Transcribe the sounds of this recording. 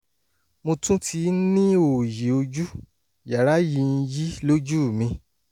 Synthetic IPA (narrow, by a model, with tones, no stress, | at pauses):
mõ˧tũ˦tʰi˧˦nĩ˦o˨je˨o˧d͡ʒu˦ | ja˨ɾa˨˦ji˧n̩˧ji˦lo˦d͡ʒu˦˨mĩ˧